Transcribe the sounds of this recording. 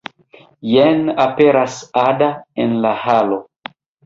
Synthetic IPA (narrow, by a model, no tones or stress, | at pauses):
jenape̞ɾasadaenlahalo